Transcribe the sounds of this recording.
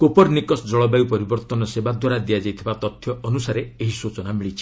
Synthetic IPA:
kopɔɾnikɔsd͡ʒɔɭɔbajupɔɾibɔɾt̪ɔnɔsebad̪waɾad̪iad͡ʒajt̪ʰibat̪ɔt̪ʰːjɔɔnusaɾeeɦisot͡ʃɔnamiɭit͡ʃʰi̥

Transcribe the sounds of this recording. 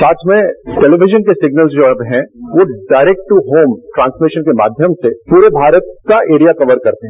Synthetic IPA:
saːt͡ʃmẽʈɛliʋɪd͡ʒənkesɪɡnəlzd͡ʒoɐbɦɛ̃ʋoɖaːɪɾɛk̚ʈʈːuɦoːmʈɾãːnsmiʃənkema̰ːd̪ʱjəmsepuːɾebʱaːɾət̪̚kaʔeːɾijakɐʋəɾkɐɾt̪eɦɛ̃

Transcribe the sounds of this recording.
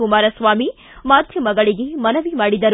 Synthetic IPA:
umaːɾɐsʋaːmi | maːd̪ʱjɐmɐɡɐɭiɡemɐnɐʋimaːɽid̪ɐɾ

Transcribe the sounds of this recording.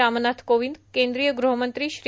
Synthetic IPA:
amnat̪ʰkoʋĩnd̪kẽnd̪ɾijəɡɾuɦəmənt̪ɾiʃɾ

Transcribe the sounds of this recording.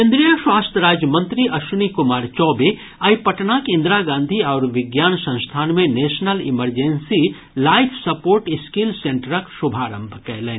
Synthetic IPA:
kẽnd̪ɾijəʃwaːst̪ʰəɾaːd͡ʒjmə̃nt̪ɾiʔɐʃunikʊmaːɾt͡ʃɔːbe | ɐjpɐʈnakẽnd̪ɾaɡãːnd̪ʱiɔːɾʋɪɡjaːnsɐ̃w̃st̪ʰaːnmẽneːʃnəlɪməɾd͡ʒensi | laːɪpʰsɐpoːɾʈɪskilsẽɳʈəɾəksʊbʱaːɾə̃mbʱkɛɦleː

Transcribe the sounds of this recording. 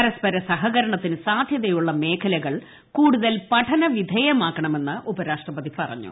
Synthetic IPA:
ɐɾɐspɐɾɐsɐɦɐɣɐɾɐɳɐt̪ːinɨsaːd̪ʱjɐðɐjuɭːɐme̞ːkʰɐlɐɣɐɭ | kuːɽuðɐlpɐʈʰɐnɐʋid̪ʱɐjɐmaːkːɐɳɐme̞nːɨʔubɐɾaːʂʈrɐpɐðipɐrɐ̰ɲːṵ

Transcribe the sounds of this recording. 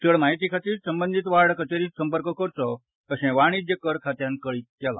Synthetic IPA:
t̪əɭmaɦit̪ikʰat̪iːɾsəmbənd̪ʱit̪ʋaɽkət͡ʃeɾisə̃mpəɾkɔkəɾt͡ʃɔ | t̪əsɛ̃ʋaɽ̃id͡ʒekəɾkʰat̪jãnkəɭit̪̚kɛlã̰

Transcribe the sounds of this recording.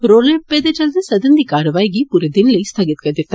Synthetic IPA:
ɾoːleped̪ɐd͡ʒɐld̪ɐsɐd̪ɐnd̪ikaːɾɐʋaːjɡipuɾɐd̪inlɐjst̪ʰɐɡit̪kɐnd̪iɾt̪ː

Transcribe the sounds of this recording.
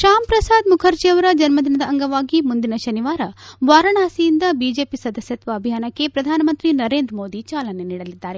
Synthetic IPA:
ʃaːmpɾɐsaːd̪mukʰɐɾt͡ʃiɐʋɐɾɐd͡ʒɐnmɐd̪ʱinɐd̪ɐɐŋɡɐʋaːɡimund̪inɐʃɐniʋaːɾɐʋaːɾɐɳaːsijind̪ɐbiːd͡ʒeːpisɐd̪ɐsjɐt̪ʋɐːbʱijaːnɐkːe̞pɾɐd̪ʱaːnɐmɐnt̪ɾinɐɾe̞ːnd̪ɾmoːd̪it͡ʃaːlɐne̞niːɽɐlid̪ːaːɾe

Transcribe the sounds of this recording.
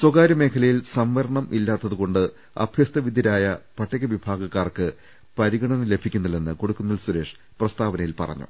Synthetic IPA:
swoɡaːɾɐme̞ːkʰɐlɐjilsɐmʋɐɾɐɳɐmʔilːaːt̪ːɐðuɣo̞ɳɖɨ | ɐ̰b̥ʱjɐst̪ɐʋid̪ʱjɐɾaːjɐpɐʈːɐɣɐʋibʱaːɡɐkːaːrkɨ | pɐɾiɡɐɳɐnɐle̞bʱikʲːunːɐlenːɨko̞ɽukːunːɐlsuɾe̞ːʂ | prɐst̪aːʋɐnɐjilpɐ̰rɐ̰ɲːṵ

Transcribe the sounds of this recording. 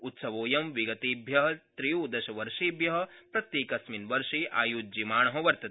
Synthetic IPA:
ut̪sɐʋoːjɐmʋiɡɐt̪iːbʱjɐɦɐt̪ɾijuːd̪ɐʃɐʋɐɾʂiːbjɐɦɐ̆pɾɐt̪jeːkɐsminʋɐɾʂiːʔa̰ːjuːd͡ʒimaːɳɐɦɐʋɐɾt̪ɐt̪i

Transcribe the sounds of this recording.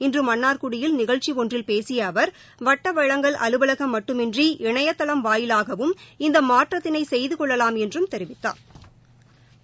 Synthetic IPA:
ɪndrɯmɐnːaːɾkʊɽɪjɪlnɪɣɐɭt͡ʃiɔndrɪlpeːsɪjɐːʋɐɾ | ʋɐʈːɐʋɐɻɐŋɡɐɭʔɐlɯbɐlɐɣɐmːɐʈːɯmɪndriʔɪɳɐjɐt̪ːɐɭɐmʋaːjɪlaːɣɐʋɯmɪnd̪ɐmaːʈrɐt̪ːɪnɐɪsɛjðɯkɔɭːɐlaːmɛndrɯmt̪ɛɾɪʋɪt̪ːa̰ː

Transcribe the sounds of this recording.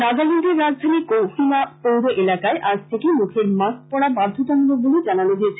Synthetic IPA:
naɡalind̪eɾːad͡ʑd̪ʱanikowfimapowɾoʔelakaeʔaɡt̪ʰekemukʰeɾmaspɔɽabaɾd̪ʱot̪ɔnɾoboled͡ʑananoɦoet͡ɕʰe

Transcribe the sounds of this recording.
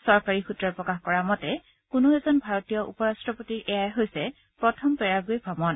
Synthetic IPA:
sɔɹkaɹixutɹɔpɹɔkaxkɔɹamɔtɛ | kunoɛzɔnbʱaɹɔtijɔʔṵpɔɹastɹɔpotiɹɛjajɦojsɛ | pɹɔtʰɔmpɛɹaɡojbʱɔmɔn

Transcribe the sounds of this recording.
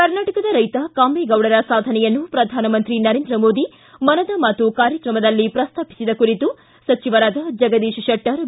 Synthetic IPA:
kɐɾnaːʈɐkɐd̪ɐɾɐjt̪ɐkaːmbeːɡɐwɽɐɾɐsaːd̪ʱɐnɛjɐnːupɾɐd̪ʱaːnɐmɐnt̪ɾinɐɾeːnd̪ɾɐmoːd̪i | mɐnɐd̪ɐmɐt̪ːukaːɾjɐkɾɐmɐd̪ɐlːipɾɐst̪ʰaːpi̥sid̪ɐkuɾit̪u | sɐt͡ʃiʋɐɾaːd̪ɐd͡ʒɐɡɐd̪eːʃɐʃɐʈːɐɾ

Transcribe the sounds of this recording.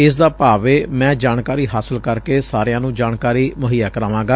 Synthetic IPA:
ɪs̬d̪aːpaːʋeːmɛ̃ːd͡ʒaːɳkaːɾiːɦaːsəlkəɾkeːsaːɾejãːnũːd͡ʒaːɳkaːɾiːmʊɦiːjaːkəɾaːʋãːɡaː

